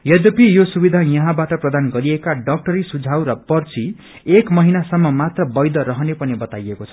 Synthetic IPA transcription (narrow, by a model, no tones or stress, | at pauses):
jʌd̪ʌpijosubid̪ʱajʌɦãbaʈʌprʌd̪anɡʌɾiekaɖʌk̚ʈʌɾisud͡zʱawɾʌpʌrt͡si | ekmʌɦinasʌmːʌmat̪rʌbʌjd̪ʌɾʌɦʌnepʌnibʌt̪ajekot͡sʰʌ̥